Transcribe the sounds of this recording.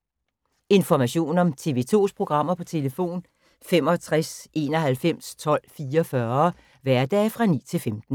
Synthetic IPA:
e̝nfɒmæɕo̝̰ːnɒ̽mt͡sʰe̝̰ʋe̝t͡sʰo̝̰ːspʰʁo̝ɡ̥ʁɑ̈m̰ɐpʰɒ̽t͡sʰe̝ləfo̝̰ːn | fem̰ɒ̽t͡sʰʁasʔe̝ːnɒ̽ɦælfem̰st͡sʰɒ̽l̰fiːɐɒfɶːɐ | ʋæɐd̥ɛ̰ːfʁɑ̈nḭːt͡sʰe̝lfemd̥n̩

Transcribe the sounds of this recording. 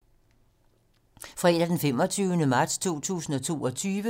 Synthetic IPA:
fʁad̥æd̥enfem̰ɒ̽t͡sʰyːʊnəmɑ̈ːd̥st͡sʰo̝̰ːt͡sʰṵːsn̩ɒ̽t͡sʰo̝̰ːɒ̽t͡sʰyːʋə

